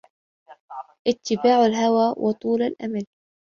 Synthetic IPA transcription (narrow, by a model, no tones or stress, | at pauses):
ʔɪt̪ːɪbaːʕalɦawaːwʔɑt̪ˤuːlalʔa̰mal